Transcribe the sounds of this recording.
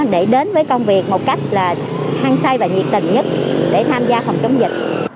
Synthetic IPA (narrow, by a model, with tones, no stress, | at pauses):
ɗe˧˩ɗe˨˦nvəː˨˦jkə˧wŋ͡mvi˨˩ək̚mo˨˩t̚ka˦˥jk̟̚laː˨˩ | haː˧ŋsaː˧jvaː˨˩ɲi˨˩p̚t̪ï˨˩ŋɲə˦˥t̚ɗe˧˩t̪ʰaː˧mzaː˧fə˨˩wŋ͡mt͡ɕə˨˦wŋ͡mzɨ˨˩k̚